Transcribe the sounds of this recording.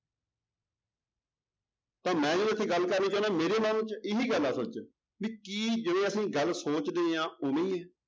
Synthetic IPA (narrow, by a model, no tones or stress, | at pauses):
t̪ãːmɛ̃ːd͡ʒoət̪ʰːẽːɡəlkəɾnĩːt͡ʃãːnɛ̃ːmeːɾeːmaːnũːt͡ʃɪɦiːɡəlːaːsot͡ʃ | ʋiːkiːd͡ʒɪʋẽːəsĩːɡəlsoːt͡ʃd̪eːãːomẽiːɛː